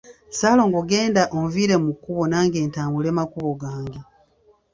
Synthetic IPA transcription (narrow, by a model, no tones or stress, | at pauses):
saːlo̞ːŋɡoɡe̞ːndaʔomviːɾe̞mukːuβo̞naːŋɡe̞ːntaːmbule̞makuβo̞ɡaːŋɡe